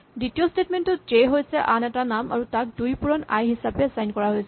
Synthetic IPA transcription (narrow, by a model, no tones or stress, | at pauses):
ditiɔstʰetmentɔtd͡ʒeɦojsɛʔanɛtanama̰ɹutak̚dujpuɹɔna̰jɦisapɛsajnkɔɹaɦojsɛ